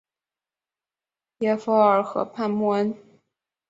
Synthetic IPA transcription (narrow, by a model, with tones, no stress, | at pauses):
jɛ˥˧˥fɔ˧˥ə˞˨˩xɤ̰˧˥pʰa˥˧nmu˥˩ə˥n